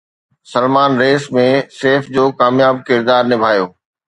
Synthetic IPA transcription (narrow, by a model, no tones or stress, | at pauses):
sɐlmaːnɾeːsmẽseːfd͡ʑoːkaːmjaːb̚kɪɾd̪aːɾnɪbʱaːjoː